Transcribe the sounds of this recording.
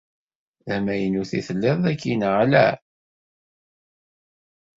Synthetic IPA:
ðæmæjənuθiθəlːɪðˤækːinʁælæ̰

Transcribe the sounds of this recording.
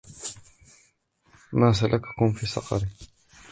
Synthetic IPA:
maːs̬alʔakḁkʊmfiːsˤɑ̰qɑ̰ɾi

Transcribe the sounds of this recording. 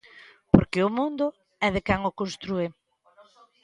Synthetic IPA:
po̰ɾkɪʊmũnd̪ʊ | ɛðɪkɛŋʊkonst̪ɾue

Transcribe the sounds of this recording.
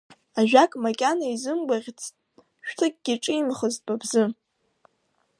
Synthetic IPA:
aʒᶣakʼmakʲʼanaizɨmɡʷaʁʲt͡sʰʼ | ʃᶣtʰɨkʲʼɡ̥ʲiʈ͡ʂʼɨimχəztʼbʼabzɨ

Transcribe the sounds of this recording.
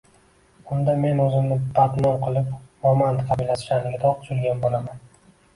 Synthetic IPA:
ʊnd̪ame̞nozɪmnɪbat̪mɒɾqʰɨlˠɪpmɒmand̪qʰɑbɪlasɪ̥ʃanɪɡʲɪd̪ɒqt͡ʃ̪ʰʊɾɡʲanbolaman

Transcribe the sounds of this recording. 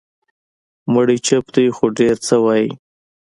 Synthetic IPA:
məɽit͡ʃəpt̪əxoɖeɾt͡səwɑji

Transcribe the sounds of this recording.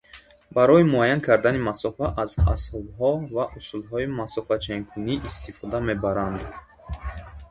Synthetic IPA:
baɾɔjimuajankʰaɾd̪animasɔfaʔaza̰shɔbɦɔvaʔusulɦɔimasɔfat͡ʃʰeŋkʰuniʔːst̪ʰifɔd̪ame̞baɾand̪

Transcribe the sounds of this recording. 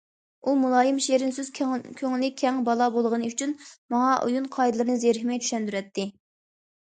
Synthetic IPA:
umulˠɑːjimʃeɾɪnsyz̥kʲʰøŋlɪkʲʰɛŋbɑlˠɑbolˠʁənɨyt͡ʃʰynmɑŋɑʔṵjunqʰɑjd̪ɨlˠɨɾɨnɨzeɾɦɪmɛjt͡ʃʰy̥ʃɛnd̪yɾɛt̪ʰːɪ

